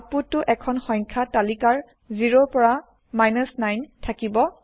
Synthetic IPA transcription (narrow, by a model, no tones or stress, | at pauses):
putːʊʔɛkʰɔnxɔŋkʰatalikaɹ | ziɹopɔɹa | majnɔsnajntʰakibɔ